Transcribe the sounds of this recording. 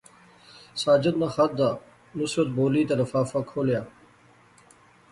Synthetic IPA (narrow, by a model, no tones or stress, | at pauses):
saːd͡ʑɐd̪naxɐt̪̚d̪aː | nusɾɐt̪̚boːliːt̪ɐɾɐfaːfɐkʰoːljaː